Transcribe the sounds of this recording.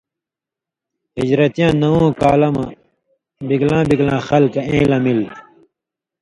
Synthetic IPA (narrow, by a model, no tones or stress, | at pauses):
id͡ʑɾɐt̪jãːnɐwõːkaːlɐmɐ | biɡlãːbiɡlãːxɐlkɐẽːlɐmil